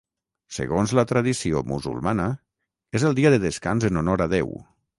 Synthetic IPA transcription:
sḛɣonzlət̪ɾaðisio̰mṵzṵlˠmanə | ezəlˠd̪iəðəðeskanzənonɔɾaðɛw

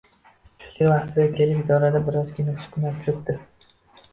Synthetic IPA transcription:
ʃʊ̥k̪ʲavaχt̪ʰɪbʲakʲʰelɪpid̪ɒɾad̪abɪɾɒzɡʲɪnɪsʊ̥kʰʲʊnat̪ʰʊɾɪpd̪ɪ

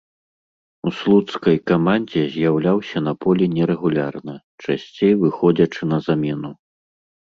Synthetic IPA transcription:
uslˠut̪skɐjkamanʲd͡zʲɛzʲjawlʲawsʲɐn̪ɐpɔlʲinʲɛɾɛɣulʲarnɐ | t͡ʂasʲt͡sʲejvɨxɔd͡zʲɐt͡ʂɨnɐzamʲɛnu

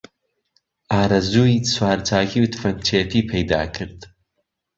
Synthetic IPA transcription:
aːɾɐzuːiswaːɾt͡sʰaːɣiwt̪ʰfɐnt͡ʃʰeːt̪ʰiːpʰejd̪a̰ːkʰɨɾd̪

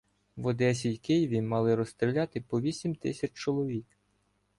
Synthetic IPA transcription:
ʋɔd̪ɛsʲijkɪjiʋʲimɑlˠɪɾɔst̪ɾʲɪlʲat̪ɪpɔʋʲisʲimt̪ɪsʲɐt͡ʃt͡ʃɔlˠɔʋʲik

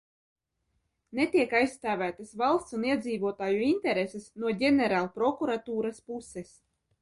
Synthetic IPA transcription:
net̪iɛkajsst̪aːvʲæːt̪asvalˠst̪suniɛd̪ziːvuɔt̪aːjuint̪ɛɾesesnuɔɟʲɛnɛɾaːlˠpɾɔkuɾat̪uːɾaspuses

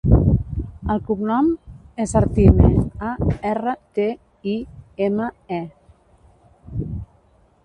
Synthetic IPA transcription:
əlˠkupnɔmezaɾt̪inḛaɛrət̪e | ieməɛ

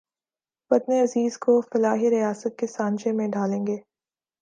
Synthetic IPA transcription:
pɐt̪neɐziːzkofɐlaːɦiɾijaːsət̪̚kesãːɲd͡ʒemẽɖaːlẽːŋɡeː

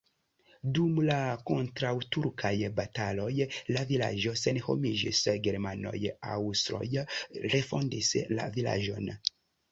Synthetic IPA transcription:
dumlako̞ntɾawtuɾkʰajbatalo̞jlavila̰d͡ʒo̞senho̰mid͡ʒḭsɡeɾmano̞̰ja̰wstɾo̞̰jɾe̞fo̞ndisla̰vila̰d͡ʒo̞̰n

